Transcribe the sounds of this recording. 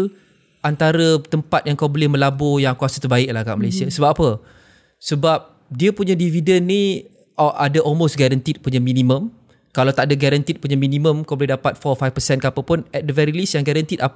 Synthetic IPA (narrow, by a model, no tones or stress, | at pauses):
ʔant̪aɾət̪əmpat̪̚jaŋkawbolɛhmə̃labojaŋkuasə̥t̪ərbaɪk̚lahɡaʔməlajsiasəbap̚apə | səbap̚ | diəpuɲãdividənːi | ʔadaʔɔlmostɡɛɾənt̪it̪̚puɲamĩnĩmə̃m | kalawt̪aʔadaɡaɾant̪it̪̚puɲamĩnĩmə̃mkawbolɛɦdapat̪̚fɔfajfpəsɛnkapəpʊnɛt̪̚dəvɛɾiilisjaŋɡaɾənt̪id̪a